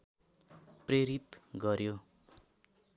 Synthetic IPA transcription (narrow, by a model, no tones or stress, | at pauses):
preɾit̪ɡʌɾjo